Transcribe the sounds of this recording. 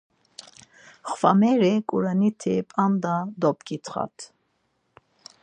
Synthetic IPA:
χvamɛɾɛkʼuɾanit̪ʰipʼand̪ad̪ɔpʼkʼit̪ʰχa̰t̪ʰ

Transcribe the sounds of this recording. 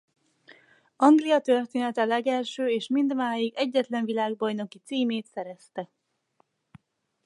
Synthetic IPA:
ɒŋɡlijɒt̪ø̞rt̪eːnɛt̪ɛlɛɡɛlʃøːeːʃmind̪maːjiɡɛɟːɛt̪lɛɱvilaːɡ̚bɒjno̞kit̪siːmeːt̪sɛɾɛst̪ɛ

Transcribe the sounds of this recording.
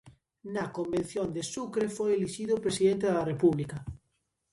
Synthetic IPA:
nakombẽn̟θjond̪esukɾefojeliʃiðopɾesiðẽnt̪eðarepuβlika

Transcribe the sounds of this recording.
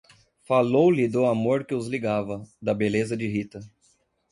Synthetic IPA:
falowlɪd̪ʊamoɾkɪʊzliɡavɐd̪ɐbelezɐd͡ʒɪɦit̪ɐ

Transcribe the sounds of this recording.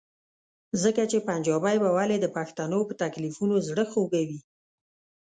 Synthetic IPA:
zəkat͡ʃepand͡ʒɑbajbawaled̪əpaxt̪anopət̪aklifunozɽəxoɡawi

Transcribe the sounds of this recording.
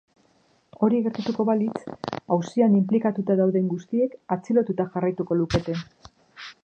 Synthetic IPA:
o̞ɾiɣe̞ɾt̪at̪uko̞βalit͡sawsianimplikat̪ut̪aðawðe̞ŋɡust̪ie̞kat͡silo̞t̪ut̪axarajt̪uko̞luke̞t̪e̞

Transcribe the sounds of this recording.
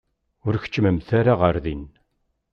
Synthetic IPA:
ʊɾçə̥t͡ʃːməmθaɾaʁəɾðin

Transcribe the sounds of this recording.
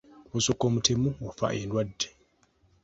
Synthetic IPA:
osokːoːmutʰemuwafa̰ʔendwadːe̥

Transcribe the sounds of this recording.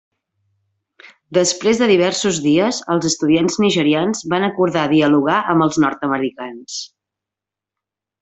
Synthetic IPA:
d̪əspɾezðəðiβ̞ɛrsuzðiəzəlˠzəst̪uðianzniʒəɾianzβanəkuɾðaðiəluɣaʔəmbəlˠznɔɾt̪əməɾikans

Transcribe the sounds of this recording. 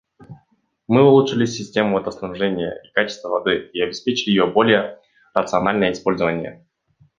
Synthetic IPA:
mɨʊlˠuʂɨlʲɪsʲːɪsʲtʲemʊɐt̪əsnɐbʐɛnʲɪjə̰ikat͡ɕɪ̥st̪vəvɐd̪ɨiɐbʲɪspʲet͡ɕɪlʲɪjɪjobo̞lʲɪjə | rət̪sɨɐnalʲnəjəɪspo̞lʲzəvənʲɪjə̰

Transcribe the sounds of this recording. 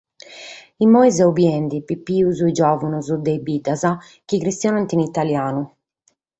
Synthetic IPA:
imɔizɛubjɛnd̪ipipːiːuzuid͡ʒɔːvunuzud̪ɛjbid̪aza | k̟ikɾist̪jɔːnant̪init̪aljaːnu

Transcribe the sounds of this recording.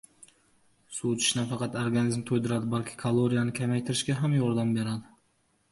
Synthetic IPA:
sut͡ʃʰɪ̥ʃnafɑqʰɑt̪oɾɡanizmt̪ʰojd̪ɪɾad̪ɪbalˠkʲʰɪ̥kʰalˠoɾijanɪkʲʰamajt̪ʰɪɾɪʃkʲaɦamjɒɾd̪ambe̞ɾad̪ɪ

